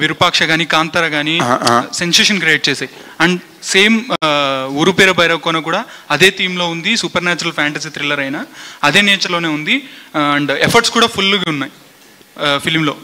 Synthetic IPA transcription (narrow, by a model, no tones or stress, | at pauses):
ʋiɾupaːkʂɐɡaːnikaːnt̪ɐɾɐɡaːnisenseːʂɐnkɾijeʈ̚t͡ʃɛːsaːji | ɐɳɖ | se̞ːm | uːɾupeːɾɐbɐjɾɐkːoːnɐkuːɽaː | ɐd̪e̞ːt̪iːmlo̞ːund̪isupɐɾnaːt͡ʃɐɾɐlpʰaːɳʈɐsiːt̪ɾilːɐɾɐjnaɐd̪e̞ːniɐt͡ʃɐloːne̞ːund̪iɐɳɖepʰɐɾʈskuːɽaːpʰulːuɡiunːaːji | pʰilmlo̞ː